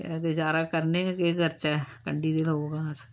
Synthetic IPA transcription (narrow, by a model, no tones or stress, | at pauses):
ed͡ʒaːɾakəɾneakeːɡəɾt͡ʃaɛkə̰ɳɖid̪ɪlɦoːɡas